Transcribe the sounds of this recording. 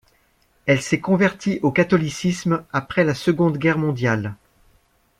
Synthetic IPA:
ɛlsɛkɔ̃vɛʁt̪ʰiʔokat̪ɔlisismapχɛlasəɡɔ̃d̪ɡʲɛʁmɔ̃d̪jal

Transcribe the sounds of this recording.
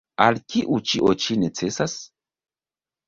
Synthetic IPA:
alkiʔut͡ʃiʔot͡ʃinet͡sesas

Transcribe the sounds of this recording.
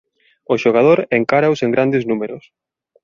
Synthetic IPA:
ʊʃoɣ̞að̞oɾeŋkaɾaoseŋɡɾand̪ɪznumeɾʊs

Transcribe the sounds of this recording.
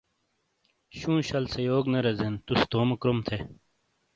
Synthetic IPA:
ɕũːɕɐlsejoːɡnɐɾɐzent̪ust̪oːmɐkɾomt̪ʰe

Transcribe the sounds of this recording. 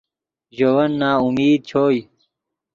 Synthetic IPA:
ʑowɐnːaːumiːd̪̚t͡ɕʰoːj

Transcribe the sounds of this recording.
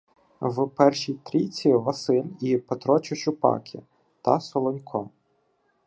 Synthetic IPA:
wpɛrʃijt̪ɾʲit͡sʲiʋɐsɪlʲipet̪ɾɔt͡ʃʊʃʊpɑ̰kʲʰḭ | t̪ɐsɔlˠɔnʲkʰɔ

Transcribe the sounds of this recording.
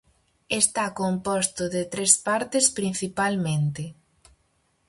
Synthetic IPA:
est̪akompɔst̪ʊðet̪ɾespaɾt̪espɾinθipalmẽnt̪e

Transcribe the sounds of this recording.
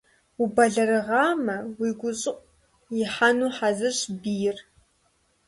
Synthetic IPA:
ubɐɮɐrɨʁaːmɐwiɡʷʊɕʼɨqʷʼ | iħanuːħazɨʃbijr

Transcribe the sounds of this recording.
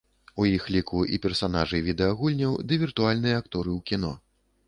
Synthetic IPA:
ujixlʲikuʔipʲɛrsanaʐɨvʲid̪ɛaɣulʲnʲɐwd̪ɨvʲirt̪ualʲnɨjɐakt̪ɔɾɨwkʲin̪ɔ

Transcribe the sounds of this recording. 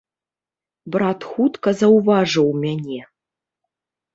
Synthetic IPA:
brat̪xut̪kɐzɐwvaʐɐwmʲanʲe

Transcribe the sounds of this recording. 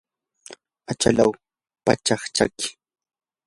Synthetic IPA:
at͡ʃa̰law | pa̰t͡ʃaχt͡ʃa̰kɪ̥

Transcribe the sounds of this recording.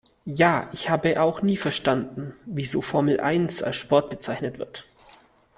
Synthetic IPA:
jaːʔɪçhaːbəʔaʊxniːfɛɐʃtandn̩viːzoːfɔɐml̩ʔa̰ɪnsa̰lsʃpɔɐt̚b̥ət͡saɪçnətv̥ɪɐt

